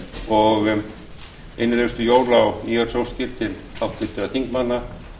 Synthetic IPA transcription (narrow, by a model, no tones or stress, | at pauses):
ɔɣ | ḛjnɪlɛst̪ʏjoːwɾlawniːaɾsowscɪɾ̥t̪ɪn | hawht̪ʰvɪt̪ːɪaθiŋkmanːa